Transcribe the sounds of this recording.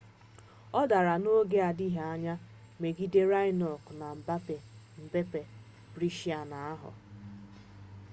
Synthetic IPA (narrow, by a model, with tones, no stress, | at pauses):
ɔ˦da˨ɾa˨no˦ɡe˦a˨di˦ɦa˦ɲa˦ | me˨ɡi˦de˦ɾa˦ɪ˦nɔ˨kna˨m̩˨ba˦pe˨ | m̩˨be˦pe˨ | bɾi˦ʃi˦a˨na˨a˦ɦʊ̰˨